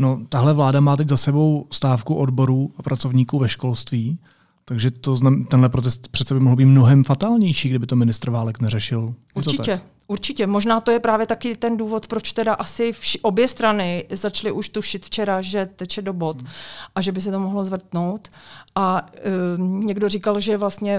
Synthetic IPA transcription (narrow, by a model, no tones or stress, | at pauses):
not̪aɦlɛvlaːdamaːt̪̬ɛczasɛbo̞wst̪aːfkuʔodbo̞ɾuːapɾat͡sovɲiːkuːvɛʃko̞lst̪viː | t̪aɡʒɛt̪oznat̪ɛnɦlɛpɾot̪ɛst̪pr̥ɛt̪t͡sɛbɪmoɦl̩biːt̪mnoɦɛmfat̪aːlɲɛjʃiːɡdɪbɪt̪o̞mɪnɪst̪ɾ̩vaːlɛknɛrɛʃɪl | uɾɾt̪t͡ʃɪɛ | ʔuɾt͡ʃɪcɛmoʒnaːt̪ojɛpɾaːvjɛt̪akɪt̪ɛnduːvo̞t̪pɾot͡ʃt̪ɛdaʔasɪfʔo̞bjɛst̪ɾanɪzat͡ʃlɪʔuʃt̪uʃɪt̪ft͡ʃɛɾaʒɛt̪ɛcjɛdo̞bo̞t̪ʔaʒɛbɪs̬ɛt̪omoɦlozvr̩t̪nowt̪ʔa | ɲɛɡdorikalʒɛvlast̪ɲɛ